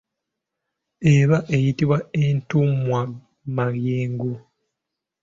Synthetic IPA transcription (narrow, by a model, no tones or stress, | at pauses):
eβaʔejitiβwaentumwa | maɣjeːŋɡu